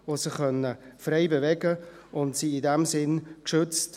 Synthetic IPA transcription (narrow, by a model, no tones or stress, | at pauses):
osɪχœnːəfreɪbevɛɡə | ʔʊntsiɪdɛmsɪnkʃʏt͡st